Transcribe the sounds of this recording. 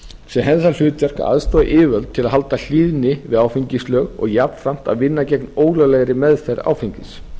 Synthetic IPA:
sjɛmɦɛnsal̥ʏːt̪jar̥ka̰a̰ðst̪ɔːða̰ʔɪːvœlt̪̚t̪ʰːɪlaðɦalt̪al̥iːðnɪvɪðaːwfiɲcɪslœːɣɔ̰ɣjap̪fɾam̥t̪a̰ðvɪnːacɛknoːwɣlœlɛɣɾɪmɛðfɛɾa̰ːwfiɲcɪs

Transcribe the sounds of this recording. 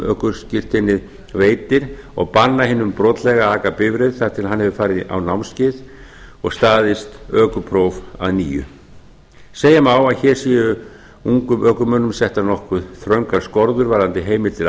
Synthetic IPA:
œ̰ːhkʏɾ̥scɪr̥t̪ɪnːɪð | veːjt̪ɪɾ | ɔ̰ɣpanːahɪnːʏmpɾɔːt̪lɛɣaaːkapɪvɾɪðθaɾ̥t̪ʰɪlaɦanhɛvʏfaːɾɪʔa̰wnawmscɪːð | ɔɣst̪aːðɪst̪œːkʏpʰɾowva̰ðniːjʏ̰ | seːjamawaðçɛɾ̥siːʏ | uŋkʏmʔœːkʏmœnʏmsɛht̪anɔhkvʏðθɾœɥŋkaɾ̥skɔɾðʏɾvaːɾðant̪ɪɦeːjmɪɾt̪ʰɪl

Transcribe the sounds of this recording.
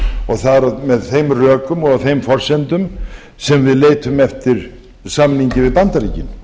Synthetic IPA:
ɔɣθaɾamɛðθejmrœːkʏmɔɣɣθejmfɔr̥sɛnt̪ʏm | sɛmvɪðleːjt̪ʰʏmɛft̪ɪɾ̥ | samniɲcɪvɪðpant̪aɾiːcɪn

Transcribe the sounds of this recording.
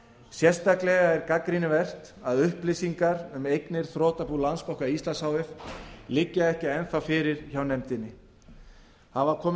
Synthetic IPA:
sjɛr̥st̪aklɛɣaɛɾkakɾinɪvɛr̥t̪ | aðʏhplɪsiŋkaɾʏmejknɪɾ̥θɾɔːt̪apulanspowhkaist̪lansawvɪflɪcːaɛhcɪɛnθafɪɾɪɾ̥çawnɛmt̪ɪnːɪ | havaɾkʰɔːm

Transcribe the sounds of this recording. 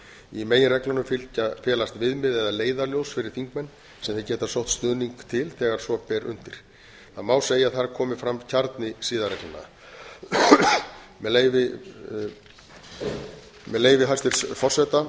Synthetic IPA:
imeːjɪnrɛklanʏmfɪlcafɛːlast̪vɪðmɪðɛðaleːjðaljowsfɪɾɪɾ̥θiŋkmɛnː | sɛmθɪcɛːt̪asowht̪st̪œːniŋkt̪ʰɪlθɛːɣaɾ̥svɔpɛɾʔʏ̰n̥t̪ɪɾ̥ | θamaːwseːjaðθaɾkʰɔːmɪfɾamcʰaɾt̪nɪsiːðaɾrɛklanːa̰ | mɛlejvɪ | mɛleːjvɪɦajst̪ʏɾ̥sfɔr̥sɛt̪a

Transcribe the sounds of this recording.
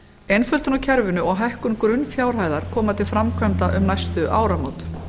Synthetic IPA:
ejnfœlt̪ʏnawcʰɛɾvɪnʏɔɣɦahkʏŋkɾʏnfjaːwɾ̥ɦaːjðaɾ̥kʰɔːmat̪ʰɪlfɾamkʰvœmt̪aʔʏmnajst̪ʏʔaːwɾamoːwt̪

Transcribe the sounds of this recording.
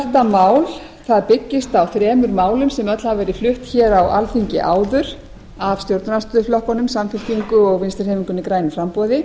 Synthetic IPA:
ɛr̥t̪amaːwl | θaðpɪcːɪst̪awθɾɛːmʏɾmaːwlʏmsɛmœt̪lahavɛːɾɪflʏht̪çɛːɾawʔa̰lθiɲcɪ̰ʔaːwðʏɾ̥ | av̥st̪jowɾt̪nnast̪ʏːðʏflɔhkɔnʏmsamfɪlt̪iŋkʏɔɣvɪnst̪ɛɾhɛːviŋkʏnikɾaːjnʏfɾampɔːðɪ

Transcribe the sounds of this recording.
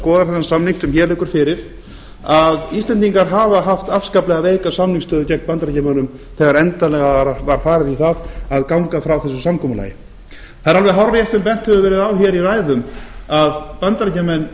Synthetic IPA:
kɔːðaɾ̥θɛsansamniŋ̥sʏmçɛːlɛkʏɾ̥fɪɾɪɾ̥ | aðist̪lɛnt̪iŋkaɾɦaːvaɦaft̪afskaplɛɣaveːjkasamniŋkst̪œːðʏcɛk̚npant̪ɾacamanʏm | θɛɣaɾɛnt̪alɛɣavaɾ̥faːɾɪðikaðaðkawŋkafɾawθɛsːʏsamkʰɔːmʏla̰ːjɪ | θaðɾalvɛðɦawɾjɛt̪sɛmpɛn̥t̪hɛvʏvɛːɾɪðawçɛɾiraːjðʏmaðpant̪ɾacamɛn

